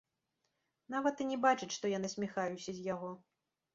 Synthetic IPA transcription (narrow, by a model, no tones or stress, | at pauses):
navɐt̪ɨnʲɛbat͡ʂɨt͡ɕʂt̪ɔjanɨsʲmʲixajusʲɐzʲjaɣɔ